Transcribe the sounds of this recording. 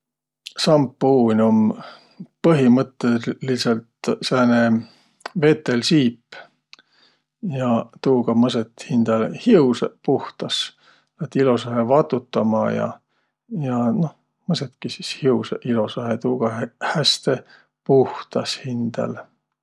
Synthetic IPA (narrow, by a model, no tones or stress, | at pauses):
sɑmpːuːnʲom | pɤɦimɤt̪ːˑeliselt̪sæːne | ve̞t̪ːˑe̞lsiːpː | jɑt̪uːɡɑmɤset̪hind̪̥ɑlhiwspuht̪ɑs | læt̪ːilo̞sɑɦevɑt̪ːˑut̪ːˑɑmɑjɑ̰ | jɑno̞h | mɤset̪kisishiwseʔilo̞sɑɦet̪uːɡ̥ɑhæst̪e̞ | puht̪ɑshind̪̥ɑ̰l